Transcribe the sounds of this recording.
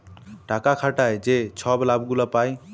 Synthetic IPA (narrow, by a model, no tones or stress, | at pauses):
ʈakakʰaʈajd͡ʒet͡ʃʰɔblabɡulapaj